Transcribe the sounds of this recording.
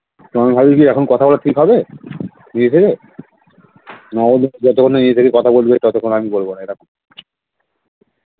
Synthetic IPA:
toamiɦabiɾkiɛkʰonkɔt̪ʰabɔlaʈʰikɦɔbe | nid͡ʑet̪ʰeke | nɔond͡ʑɔt̪okʰːonenid͡ʑet̪ʰekekɔt̪ʰabolbet̪ɔt̪okʰonoamibolbonaeɾakʰon

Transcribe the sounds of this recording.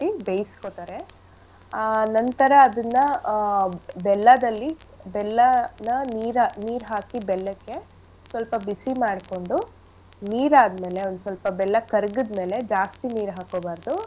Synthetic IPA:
ʈibejskot̪aːɾe̞ | aːnɐnt̪ɐɾɐːd̪ɐnːɐ | bɛlːɐd̪ɐlːibɛlːɐnɐniːɾɐniːɾɦaːkibɛlːɐkːe̞ | sʋɐlpɐbisimaːɽko̞ɳɖu | niːɾaːd̪me̞ːle̞ond̪usʋɐlpɐbɛlːɐkɐɾɡud̪me̞ːle̞d͡ʒaːst̪iniːɾɦaːkoːbaːɾd̪u

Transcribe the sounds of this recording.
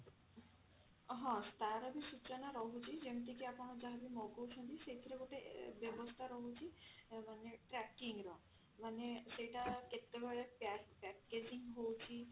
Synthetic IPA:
ɦɔ̃st̪aɾɔbisut͡ʃɔnaɾɔɦut͡ʃʰid͡ʑemt̪ikiapɔnɔd͡ʒaɦabimɔɡowʃɔnd̪isejt̪ʰiɾeɡoʈebebost̪ʰaɾɔɦut͡ʃʰimaneʈɾɛkiŋɾɔ | manesejʈaket̪ːeɡɔɭepɛpɛkked͡ʑiŋɦowt͡ʃʰi

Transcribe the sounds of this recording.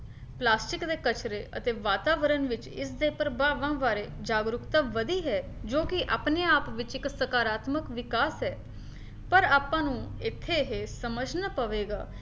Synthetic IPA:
plaːsʈɪkd̪eːkət͡ʃɾeːʔə̰t̪eːʋaːt̪aːʋəɾənʋɪt͡ʃɪsd̪eːpɾəbaːʋãːʋaːɾeːd͡ʒaːɡɾʊkt̪ãːʋəd̪iːɦɛːd͡ʒoːkɪʔa̰ːpneːaːpʋɪt͡ʃɪksəkaːɾaːt̪məkʋɪkaːsɦɛː | pəɾaːpãːnũːɪt̪ʰːeːɦesəməd͡ʒnəpəʋeːɡa̰ː

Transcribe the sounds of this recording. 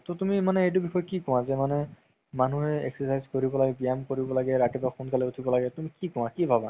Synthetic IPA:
totumimanɛejt̬ubʱixɔjɔkikɔw̃azɛmanɛ | manuɦɛḛksɔsajzkoɹibɔlaɡɛbijamkoɹibɔlaɡɛɹatibaxunkalɛutʰibɔlaɡɛtumikikɔ̃w̃akibʱaba

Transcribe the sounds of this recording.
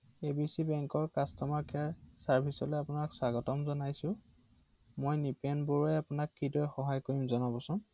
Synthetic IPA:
ebisibɛŋkɔɹkastɔmaɹkaɹsaɹbʱisɔlɔapʊnaksaɡɔtɔmzɔnajsʊ̃ | mojnipɛnboɹuɛjapʊnakːidɔjxɔɦajkoɹimzɔnabɔsʊ̃

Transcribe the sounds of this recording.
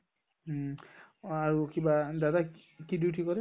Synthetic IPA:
aɹukibadada | kiditikɔɾɛ

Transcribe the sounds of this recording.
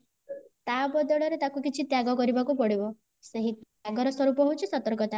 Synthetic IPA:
t̪abɔd̪ɔɭɔɾet̪akukit͡ʃʰit̪jaɡɔkɔɾibakupɔɽibɔ | seɦit̪ | aɡɔɾɔswɔɾupɔɦut͡ʃʰisɔt̪ɔɾkɔt̪a

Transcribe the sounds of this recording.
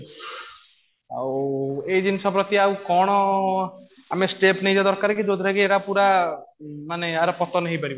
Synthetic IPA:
oed͡ʒinisɔbɾɔt̪iawkɔɽ̃ɔ | amesʈepnejd͡ʒad̪ɔɾkaɾkid͡ʒod̪ʱɾaɡieɽapuɾa | maneaɾɔpɔt̪ɔneɦĩpaɾibɔ

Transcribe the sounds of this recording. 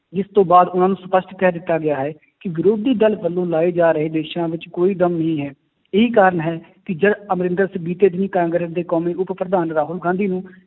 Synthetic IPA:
d͡ʒɪst̪õːbaːd̪ʊnãːnũːsʊpəsʈkɛːd̪ɪt̪ːaːɡɪjaːɦɛː | kɪɡɾuːp̚d̪iːd̪əlbəlːõːlaːeːd͡ʒaːɾəɦeːd̪eːʃãːʋɪt͡ʃkoːiːd̪əmnəɦĩːɦɛː | ɪɦiːkaːɾəɳɦɛːkɪd͡ʒəd̪əmɾɪ̃nd̪əɾsəbiːt̪eːd̪ɪniːkãːŋɡɾəɾd̪eːkɔːmiːʊppɾəd̪aːnɾaːɦʊlɡãːnd̪iːnũː

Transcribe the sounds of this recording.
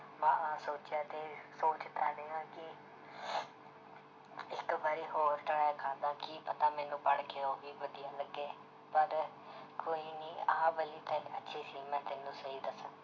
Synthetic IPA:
mãːãːsoːt͡ʃjaːt̪eːsoːt͡ʃt̪ʰaːneːãːkɪ | ɪkbaɾiːɦoːɾʈɾaːjakʰaːd̪ãːkiːpət̪aːmɛ̃ːnũːpəɽkeːɦoːɡiːʋəd̪ijaːləɡːeː | pəɾ | koːiːniːaãːbəliːt̪ẽətːʃʰiːsiːmɛ̃ːt̪ɪnːũːsəɦiːd̪əsə̃

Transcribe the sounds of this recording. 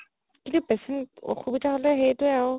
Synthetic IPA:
kintupɛsɛntɔ̰xubitʰaɦolɛɦejtʊjaʊ

